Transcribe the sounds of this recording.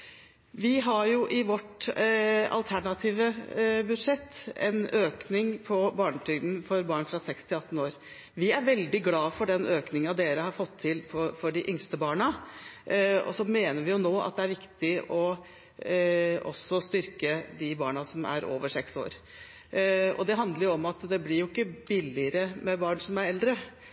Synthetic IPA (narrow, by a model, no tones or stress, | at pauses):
ʋɪɦɑɾjʊʔɪʋɔʈ | ɑ̰lt̪ʰæɳɑt̪ʰiːʋəbʉd̪ʂɛt̪ʰːɛ̰nøːknɪŋpʰɔbɑːɳət̪ʰʏɡd̪n̩fɔɾbɑːɳfɾɑsɛkst̪ʰɪlɑt̪ːn̩oːɾ | ʋɪæɾʋɛld̪ɪɡlɑːfɔɖɛnøːknɪŋəɑd̪eːɾəhɑɾfɔt̪ʰːɪlpɔfɔɖɪʔʏŋst̪əbɑːɳɑ | ɔ̰sɔmeːnəɾʋɪjʊnoːʔɑ̰t̪̚d̪ɛæɾʋɪkt̪ɪɔ | ɔ̰sːɔst̪ʏɾkəd̪ɪbɑːɳɑsɔmæ̰ɾo̰ːʋəʂɛkso̰ːɾ | ɔ̰d̪ɛɦɑnd̪ləɾʊɔmɑt̪d̪ɛblɪɾjʊɪkːəbɪlɪəɾəmɛbɑːɳsɔmæɾɛld̪ɾə